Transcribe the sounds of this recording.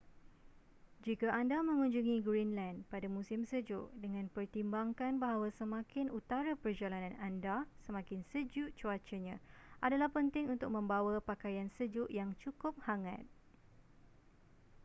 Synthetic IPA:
d͡ʒikaʔandamə̃ŋũɲd͡ʒuŋĩɡɾinlandpadamũsɪmsəd͡ʒʊ̰ʔdəŋãnpərt̪imbaŋkanbaɦawasəmãkɪnut̪aɾapərd͡ʒalanãnandasəmãkɪnsəd͡ʒʊʔt͡ʃuat͡ʃəɲãʔadalahpənt̪ɪŋunt̪ʊk̚mə̃mbawapakajansəd͡ʒʊʔjaŋt͡ʃukʊp̚haŋã̰t̪̚

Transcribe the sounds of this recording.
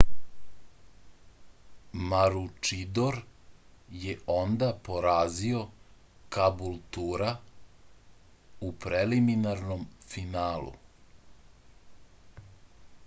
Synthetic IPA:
maɾut͡ʂid̪oɾ | jeo̞nd̪apo̞ɾaːzio̞ | kabulˠt̪uɾa | upɾeliminaɾnomfinaːlṵ

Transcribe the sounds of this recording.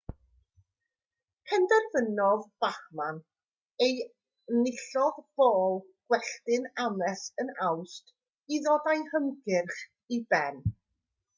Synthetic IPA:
kʰəndərvənɔðb̥aχman | ej | nɪɬɔðb̥oːlˠ | ɡ̥wɛɬtɪnamɛsənawst | iðɔdajhəmɡɪrχ | ibɛn

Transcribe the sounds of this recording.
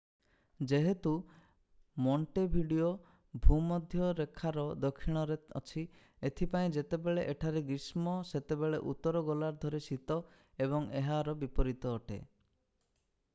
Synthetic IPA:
d͡ʒeɦet̪u | mɔɳʈebʱiɖio | bʱumɔd̪ʱjɔɾekʰaɾɔd̪ɔkʰːiɽ̃ɔɾeɔ̰t͡ʃʰi | et̪ʰipaĩd͡ʒet̪ebeɭeʔeʈʰaɾeɡɾismɔset̪ebeɭeʔut̪ːɔɾɔɡɔlaɾd̪ʱɔɾesit̪ɔ | eβɔŋeɦaɾɔbipɔɾit̪ɔːʈḛ

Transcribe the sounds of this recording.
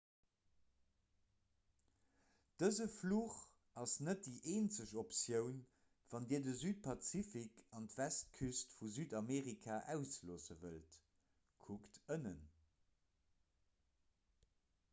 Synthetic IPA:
d̥əzəfluːχ | ɑsnət̚diːʔeːnt͡səɕopsjəʊn | v̥ɑndiːɐdəzyːt̚pʰɑt͡sifikʰɑntvæst̚kʰystfuzyːdɑmeːʁikʰaːʔæʊsloːsəvə̰lt | kʰuktənən

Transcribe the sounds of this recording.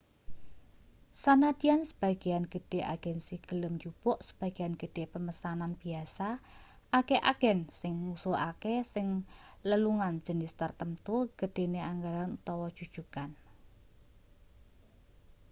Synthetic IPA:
sanadi̤jansə̥b̥a̤ɡ̥i̤anɡ̥əɖ̥e̤ʔa̰ɡ̥ɛnsiɡ̥ə̤ləmd͡ʒub̥ɔʔsə̥b̥a̤ɡ̥ianɡ̥əɖ̥e̤pəməsananb̥iasa | akeʔaɡ̥ɛnsɪŋmusuakesɪŋləluŋan̥ʒ̥ə̤nɪst̪ərt̪əmt̪uɡ̥əɖ̥e̤neaŋɡaɾanut̪ɔwɔd̥ʒ̥ud̥ʒ̥ukan

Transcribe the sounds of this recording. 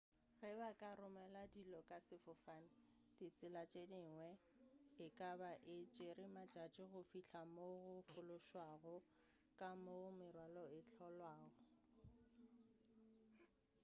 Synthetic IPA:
ɣɛbakʼarʊmɛladilɔkʼasɪfʊfan̩ | dɪt͡sʼɪlat͡ʃʼedɪŋwɛ | ɪkʼabaʔɪt͡ʃʼɪɾɪmat͡ʃʼat͡ʃʼɪɣʊfiɬʰamoɣʊfʊlʊʃwaɣɔ | kʼamomɪrwalɔɪt͡ɬʰɔlwaːɣɔ

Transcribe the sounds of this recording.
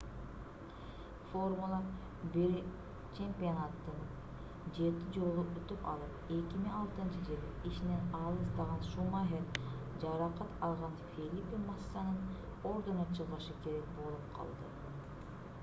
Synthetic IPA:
formulˠa | biɾi | t͡ʃʰe̞mpʲionat̪ːɯn | d͡ʒe̞t̪id͡ʒo̞lˠuʔyt̪ypɑ̰lˠɯpe̞kimiɑlˠt̪ɯnt͡ʃɯd͡ʒilˠiiʃinenɑlˠɯst̪ɑʁɑnʃumɑɦeɾ | d͡ʒɑɾɑqɑt̪ɑlˠʁɑnfʲelʲipʲimɑsːɑnɯn | o̞ɾd̪onɑt͡ʃʰɯʁɯʃɯke̞ɾek̚bo̞lˠup̚qʰɑ̰lˠd̪ɯ̰

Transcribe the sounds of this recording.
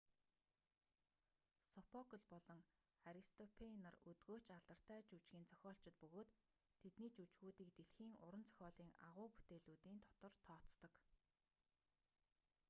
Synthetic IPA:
sɔpʰɔkə̆ɮpɔɮɞ̆ŋ | aɾist̪ʰɔpʰenərut̪ɡoːt͡ɕaɮt̪ə̆r̥t̪æːt͡ɕut͡ɕɡʲiːnt͡sʰœ̥xʲɔːɬt͡ɕɪ̆t̪̚pɵɣoːt̪ʰː | et̪niːt͡ɕut͡ɕɣuːt̪iːkt̪eɮxiːŋʊɾə̆nt͡sʰœ̥xʲɔːɮiːŋa̰ʁʊːpu̥t̪eːɮuːt̪iːnt̪ʰɔ̥t̪ɞ̆rt̪ʰɔːt͡st̪ɞ̆k

